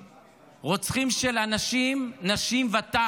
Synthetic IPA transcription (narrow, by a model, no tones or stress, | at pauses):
ʁot͡sχimʃelanaʃimnaʃimvat̪a